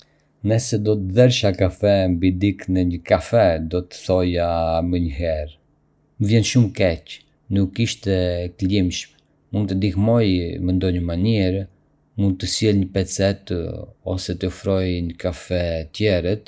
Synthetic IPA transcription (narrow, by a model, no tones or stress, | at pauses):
nɛsɛd̪ɔt̪əðɛɾʃakafɛmbid̪iknɛɲəkafɛd̪ɔt̪ə̥θɔjaməɲəɦɛɾ | məvjɛnʃumkɛc | nukːiʃt̪ɛklimʃm | mund̪̚t̪əd̪ihmɔjmɛnd̪ɔɲəmaniɾ | mund̪̚t̪əsjɛlɲəpɛt͡sɛt̪ɔ̰sɛt̪əɔfɾɔjɲəkafɛt̪jɛɾɛt̪